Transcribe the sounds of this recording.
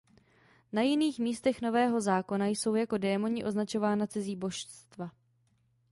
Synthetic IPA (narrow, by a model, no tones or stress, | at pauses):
najɪniːxmiːst̪ɛxno̞vɛːɦo̞zaːko̞najso̞wjako̞dɛːmo̞ɲɪʔo̞znat͡ʃo̞vaːnat͡sɪziːbo̞ʃst̪va